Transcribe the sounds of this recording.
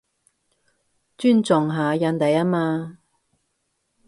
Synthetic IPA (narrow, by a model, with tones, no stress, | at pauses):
t͡ʃyː˥nt͡sʊ˨ŋɦaː˨jɐ˧nt̪ɐ˨ja˥maː˧